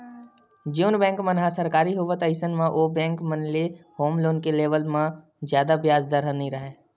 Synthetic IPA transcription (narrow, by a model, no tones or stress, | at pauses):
d͡ʒuːnbɛ̃ːŋkmənɦasəɾkaːɾiɦʊʋət̪əɪsənmãʔoːbɛ̃ːŋkmənlehoːmloːnkeleːʋəlmã | zjaːd̪abjaːzd̪əɾɦə̃nĩɾɐɦeː